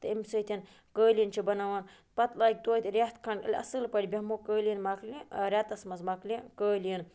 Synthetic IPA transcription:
t̪ɨimʲsɨːt̪ʰʲin | kəːlʲint͡ʃʰibɐnaʋan | pɐt̪laːk̚ʲt̪oːjt̪ʲiɾʲat̪kʰɐɳʈɐ̰lʲɐ̰sɨlpɐɽʲbʲɐmokəːlʲinmaklʲiɾʲat̪ɐsmɐzmɐklʲikəːlʲin

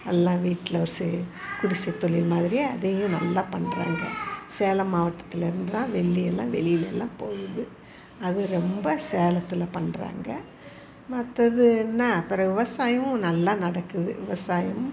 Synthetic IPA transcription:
ɐlːãːʋiːʈːɪlɐɔɾsɛkʊɽɪsɐt̪ːɔɭɪlmaːðɪɾiɐ̰ðejʊ̃nɐlːaːpɐɳːɾa̰ːŋɡɐseːlɐmaːʋɐʈːɐt̪ːɪlɪɾɯnd̪ɯt̪ãːʋɛɭːiɛlːãːʋɛlɪjɪlɛlːãːpoːɣɯðɯ | ɐðɯɾɛmbɐseːlɐt̪ːɪlɐpɐɳɾa̰ːŋɡɐ | mɐt̪ːɐðɯnːaːpɪɾɐʋɪʋɐsaːjɐʊ̃nɐlːaːnɐɽɐkːɯðɯ̰ʋɪ̰ʋɐsaːjɐm

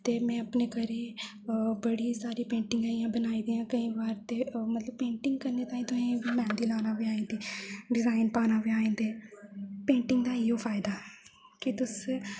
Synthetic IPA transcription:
t̪eːmɛ̃ːəpneːkəɾeː | bəɽiːsaːɾiːpẽːɳʈɪ̃ŋɡaːijãːbənaːiːd̪iːãːkəĩːʋaːɾt̪eːmət̪ləb̚pẽːɳʈɪŋɡkəɾneːt̪aːĩːt̪ʊsĩːʋiːmɛ̃ːnd̪iːlaːnaːʋiːaːẽːnd̪eːɖɪzaːɪnpaːnaːʋiːaːẽːnd̪eːpẽːɳʈɪŋɡd̪aːɪoːpʰaːɪd̪aː | kɪt̪ʊs

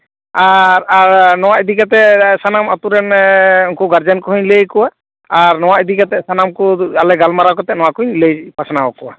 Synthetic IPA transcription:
aɾaɾnɔwaid̪ikat̪̬ɛsanamat̪uɾɛnuŋkɔɡaɾd͡ʒankɔɦuɲlejkɔwaː | ɾnɔwaɛd̪ikat̪ɛsanamkɔalɛɡalmaɾakɔt̪ɛnɔw̃akuɲlejpasanaɔkɔwa̰

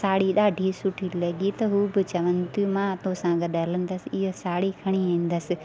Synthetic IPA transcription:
saːɽiɗaːɖʱisʊʈʰilɐɠit̪ɐɦuːbɪt͡ɕɐʋənɪ̆t̪imãt̪õsãːɡɐɗɐlə̃n̆d̪ɐsɪɪɦosaːɽikʰɐɽ̃iĩːn̆d̪əsɪ̆

